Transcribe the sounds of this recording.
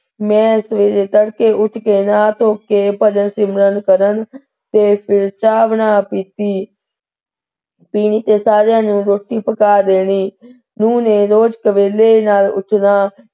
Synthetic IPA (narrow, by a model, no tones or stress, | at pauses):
mɛ̃ːsʋeːɾeːt̪əɽkeːʔʊʈʰkeːnaːt̪ʰoːkeːpəd͡ʒənsimɾənkəɾən | t̪eːpʰɪɾt͡ʃaːʋnaːpiːt̪iː | piːniːt̪eːsaːɾjãːnũːɾoːʈːiːpəkaːd̪eːniː | nũːneːɾoːd͡ʒkəʋeːleːnaːlʊ̰ʈʰnaː